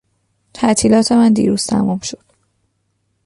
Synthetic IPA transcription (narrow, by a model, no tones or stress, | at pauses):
t̪ʰæt̪ʰiːlɒːt̪ʰe̞mænd̪ḭːɾuːz̥t̪ʰæ̰mumʃo̞d̪̥